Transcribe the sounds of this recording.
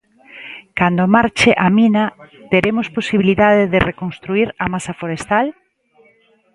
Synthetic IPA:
kand̪omaɾt͡ʃeʔaminat̪eɾemosposiβiliðað̞eðɪrekonst̪ɾuiɾamasafoɾest̪al

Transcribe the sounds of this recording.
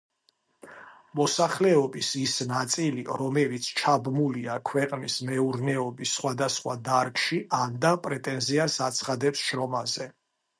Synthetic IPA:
mɔsaχlɛɔbisisnat̪sʼiliɾɔmɛlit̪sʰt͡ʃʰabmuliakʰwɛqʼnismɛuɾnɛɔbisːχwad̪asχwad̪aɾkʼʃiand̪apʼɾɛt̪ʼɛnziasat̪sʰχad̪ɛpsʃɾɔmazɛ

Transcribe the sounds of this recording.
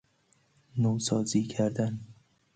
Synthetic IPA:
nowsɒːziːkʰæɾd̪æn

